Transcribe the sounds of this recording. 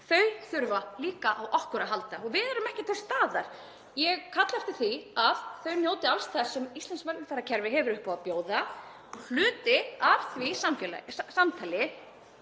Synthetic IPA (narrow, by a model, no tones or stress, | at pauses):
θœɥθʏɾvaliːkaʔawʔɔhkʏɾaɦalt̪aɔɣvɪðɛɾʏmɛhcɪt̪θœ̥st̪aːðaɾ̥ | jɛɣkʰat̪laft̪ɪ̥θiaðθœɥnjoːwt̪ɪalst̪θasːɛmist̪ɛnsmaɾk̪nɪfaɾːacʰɛɾvɪɦɛvʏɾʏhpɔapjoːwða | ɔl̥ʏːt̪ɪavθvisamfjɛlsamt̪ʰaːlɪ